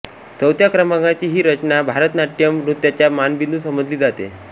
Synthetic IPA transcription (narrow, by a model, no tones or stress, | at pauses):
t͡səwt̪jakɾəmãŋɡat͡ɕiːɦiːɾət͡ɕnabʱaɾət̪naʈjəmɾut̪jat͡ɕjamanbind̪uːsəməd͡zliːd͡zat̪ḛ